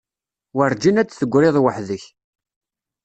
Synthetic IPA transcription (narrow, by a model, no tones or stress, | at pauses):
wəɾˤd͡ʒinæt͡sːθəɡʷːɾɪðˤwəħðəç